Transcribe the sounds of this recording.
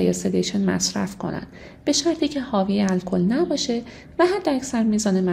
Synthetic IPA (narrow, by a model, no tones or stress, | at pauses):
jḛsed̪ejʃenmæ̰sɾæ̰fkʰo̞̰næ̰nd̪̥ | b̥e̞ʃæɾt̪ʰiːcʰe̞hɒːvijeælkʰo̞lnæbɒːʃe̞ | væɦæd̪ːeæcsæɾmiːzɒːnemæ